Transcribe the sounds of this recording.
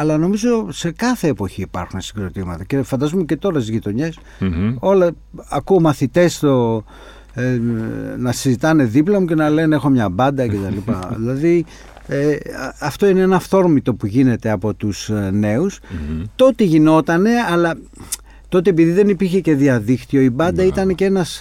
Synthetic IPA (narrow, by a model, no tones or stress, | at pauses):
ɐlɐno̞mizo̞se̞kɐθe̞ːpo̞çiːpɐ̰ɾxunesiɡɾot̪imɐt̪ɐce̞fɐnd̪ɐzumece̞t̪o̞ɾɐst̪izʝit̪o̞ɲe̞s | o̞lɐ | ɐkuomɐθit̪e̞st̪o | nɐsizit̪ɐne̞ðiplɐmuce̞nɐle̞ne̞xo̞mɲɐbɐnd̪ɐce̞t̪ɐlipɐ̰ðilɐði | eɐft̪oineenɐft̪o̞ɾmit̪o̞puʝine̞t̪e̞ɐpo̞t̪usne̞ust̪o̞t̪iʝino̞t̪ɐne̞ɐlɐ | t̪o̞t̪iepiðiðe̞nipiɾçe̞ce̞ðiɐðikt̪io̞ibɐnd̪ɐit̪ɐne̞cee̞nɐs